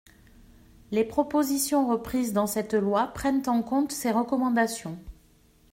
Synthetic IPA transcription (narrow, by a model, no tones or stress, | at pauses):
lepχɔpozisjɔ̃ʁəpχizd̪ɑ̃sɛt̪lwapχɛnt̪ɑ̃kɔ̃t̪seʁəkɔmɑ̃d̪asjɔ̃